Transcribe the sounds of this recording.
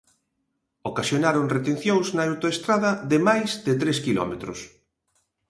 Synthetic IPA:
okasjonaɾoŋret̪en̟θjoŋznɐawt̪oest̪ɾaðɐðɪmajzðɪt̪ɾeskilɔ̰met̪ɾʊ̰s

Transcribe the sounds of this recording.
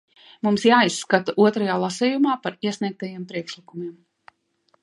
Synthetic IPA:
mumsjaːisːkat̪aʔuɔt̪ɾajaːlˠasɛjumaːpaɾiɛsnʲiɛk̚t̪ajiɛmpɾiɛkʃlˠikumiɛm

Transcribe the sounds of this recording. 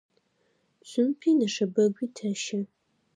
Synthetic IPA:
ɕʷʼʊmpʰiːnɐʂɐbɐɡʷiːtʰɐʃɪ

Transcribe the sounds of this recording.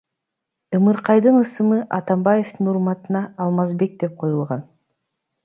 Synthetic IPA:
ɯmɯɾqɑjd̪ɯnɯsɯmɯʔɑt̪ɑmbaje̞ft̪ɯnuɾmɑt̪ɯnɑːlˠmɑzbe̞k̚d̪e̞p̚qʰo̞julˠʁɑn

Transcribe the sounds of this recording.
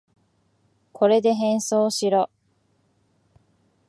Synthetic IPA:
kʰo̞ɾe̞d̪e̞ɦẽ̞ɰ̃so̞ːɕiɾo

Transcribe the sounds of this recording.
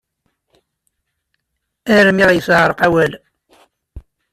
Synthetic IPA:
æɾəmiʁjəsʁəɾˤəqæwæl

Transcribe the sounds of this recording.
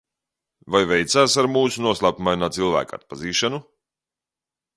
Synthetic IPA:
vajvɛjt̪saːsaɾmuːsunuɔslˠaːpumajnaːt̪silˠvæ̰ːka̰t̪̚paziːʃanu

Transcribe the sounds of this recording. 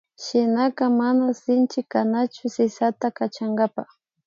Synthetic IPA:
ʃɪnakamanasɪnt͡ʃɪkanat͡ʃʊsɪsat̪akat͡ʃaŋɡapa̰x

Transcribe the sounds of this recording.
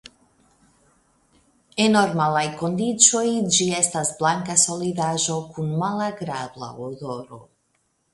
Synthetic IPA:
eno̞ɾmalajko̞ndit͡so̞jd͡ʒie̞stasblaŋkaso̞lidaʒo̞kunmalaɡɾabla̰odo̞ɾo̞̰

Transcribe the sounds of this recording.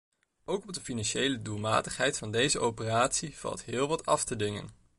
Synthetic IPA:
ʔowkɔb̚dəfinɑnʃejlədulˠma̰ːtəχɦɛjtfɑndejzəʔowpəraːtsiv̥ɑ̰lˠtɦɪːlˠʋɑtʰɑftədɪŋə̰n

